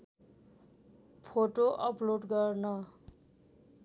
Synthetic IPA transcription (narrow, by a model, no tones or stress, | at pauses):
pʰoʈoʔʌploɖɡʌrnʌ